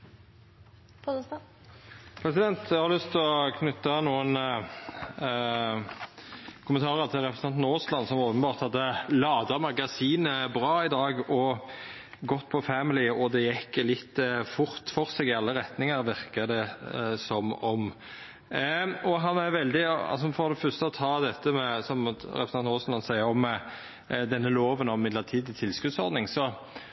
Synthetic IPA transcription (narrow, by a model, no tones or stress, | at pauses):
pʰs | pʰɾɛsɪd̪ɛnt̪jæɑɾlʏst̪ʰlɔkʰnʉt̪ːənuːən | kʰʊmənt̪ʰɑːɾət̪ʰɪlɾɛpɾsnʰɑnt̪noːslɑnsɔmoːpənbɑːʁt̪hɑd̪ːəlɑːd̪ɑmɑɡɑsiːnəbɾɑːɪd̪ɑːɡɔ | ɡɔt̪ːpʰɔfæmɪlɪɔd̪ɛjɛkːlɪt̪ːfʊɾt̪fɔʁseːɡɪɑlːəɾɛt̪nɪŋəɾʋɪɾkəd̪ɛsɔmɔm | ɔɦɑnæɾʋɛld̪ɪɑ̰lsɔfɔɾd̪ɛfœʁst̪əɔt̪ʰɑːd̪ɛt̪ːəmɛsɔmɾɛ̰pɾsɑnnoːsnlɑnsæɪəɾɔm | d̪ɛnːəloːʋənɔmɪd̪ləʁt̪ʰiːd̪t̪ʰɪlskʉd̪sɔɾd̪nɪŋsɔ